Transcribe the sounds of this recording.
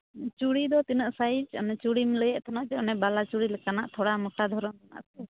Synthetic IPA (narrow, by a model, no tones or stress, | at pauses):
t͡ʃuɽid̪ɔt̪inəʔsajid͡ʒɔnɛt͡ʃuɽimləjɛʔt̪ʰanaʔd͡ʒɛɔnɛbalat͡ʃuɽilɛkanaʔt̪ʰɔɽamɔʈad̪ʱɔɾɔnna̰ʔsɛ